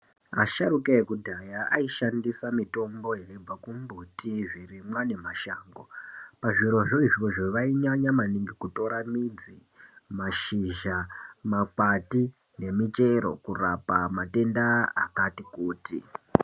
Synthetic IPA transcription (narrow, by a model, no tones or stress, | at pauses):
a̰ʃaɾukeekudʱajaʔaiʃandisamito̞mbo̞jeib͡vakumbutiʐirimwane̞maʃaːŋɡopaʐiɾo̞ʐoiʐiʋoʐoʋaiɲaɲamaniŋɡikuto̞ɾamid͡zi | maʃiʒamakati | ne̞mit͡ʃe̞ɾo̞̰kurapamate̞ndaa̰katikuːtḭ